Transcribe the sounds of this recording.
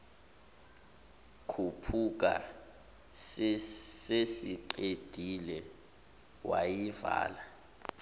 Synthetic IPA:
kʰupʰuk̬a̰ | ssesiǃed̥ʱilɛ | wajiva̰ːla

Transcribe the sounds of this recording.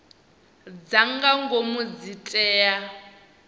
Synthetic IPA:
d͡zaŋɡaŋɡomud͡zitʼɛːja

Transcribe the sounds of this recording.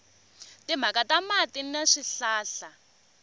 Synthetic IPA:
tim̤akʼatamatinaʂiɬaːɬa

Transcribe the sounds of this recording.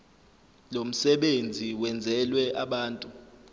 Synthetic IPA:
lom̩sɛɓend͡zʱiwɛnd͡zʱɛlwɛʔaɓaːntʼu

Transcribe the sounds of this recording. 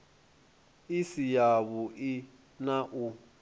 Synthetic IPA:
isijaβuʔi | naʔu

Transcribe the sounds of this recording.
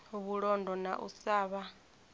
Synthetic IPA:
oβuɺɔndʱɔnaʔṵsaːβa

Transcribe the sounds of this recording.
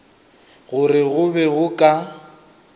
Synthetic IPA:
ɣʊrɪɣʊbɛɣʊkʼa

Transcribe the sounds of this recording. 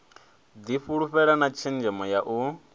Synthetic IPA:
d̪iɸuɺuɸɛɺanat͡ʃʰɛnd͡ʒɛmɔjaʔu

